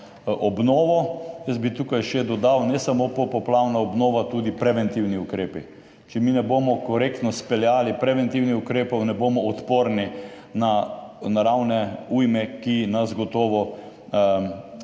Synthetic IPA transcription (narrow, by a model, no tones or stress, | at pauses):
ʔɔbnɔːʋɔjəsbit̪uːkajʃɛd̪ɔd̪awnɛsamopɔpɔplawnaɔbnɔːʋat̪uːd̪ipɾɛʋɛnt̪iwniukɾeːpi | t͡ʃɛminɛboːmɔkɔɾekt̪nɔspɛljaːlipɾɛʋɛnt̪iwnixukɾeːpɔwnɛboːmɔɔt̪poːɾni | nanaɾawnɛujmɛkinasɡɔt̪ɔːʋɔ